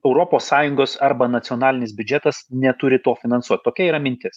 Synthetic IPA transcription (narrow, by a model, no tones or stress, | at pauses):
ɛʊɾoːpoːsːɑːjʊŋɡoːsɐɾbɐnɐt̪sʲɪoːnɑːlʲɪnʲɪsbʲʊd͡ʒʲɛt̪ɐsnʲɛt̪ʊɾʲɪt̪oːfʲɪnɐnsuɔt̪̚ʲt̪oːkʲɛiːɾɐmʲɪnʲt̪ʲɪs